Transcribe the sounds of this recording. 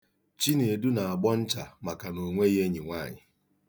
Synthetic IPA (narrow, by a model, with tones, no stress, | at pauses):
t͡ʃi˦ne˨e˨du˦na˨a˨ɡ͡bɔ˦n̩˦t͡ʃa˨ma˨ka˨no˨ŋʷe˦i˦ɦe˦ɲi˨ŋʷa˦˨ɲɪ˨